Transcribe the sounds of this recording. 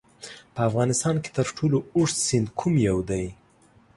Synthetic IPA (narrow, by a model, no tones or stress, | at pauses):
pəafɣɑnɪst̪ɑnke̥t̪əɾʈʰolooʂsɪnd̪kʰumjawd̪aj